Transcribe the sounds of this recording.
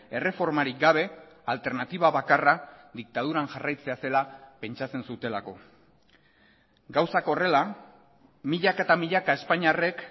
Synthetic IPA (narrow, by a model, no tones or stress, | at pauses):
e̞re̞fo̞ɾmaɾiɡaβ̞e̞alt̪e̞ɾnat̪iβaβakarad̪ik̚t̪að̞uɾaŋʝarajt͡se̞ase̞lape̞nt͡ʃat͡se̞nsut̪e̞lako̞̰ | ɡawsako̞re̞la | miʎakaet̪amiʎakae̞spaɲare̞k